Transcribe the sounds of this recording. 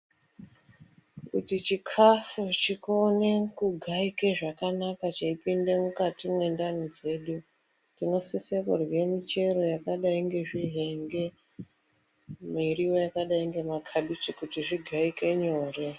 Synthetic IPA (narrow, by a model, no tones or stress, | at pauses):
kṵtit͡ʃikʰafut͡ʃikone̞kuɡʱaikeʐakanakat͡ʃaipinde̞mukatimwe̞ndanid͡ze̞ɗu | tino̞sisekurwe̞mit͡ʃe̞ɾo̞jakaɗaiŋɡe̞ʐiɦe̞ŋɡe̞ | miɾio̞jakaɗaiŋɡe̞makʰaɗut͡ʃikutiʐiɡʱaike̞ɲo̞ːre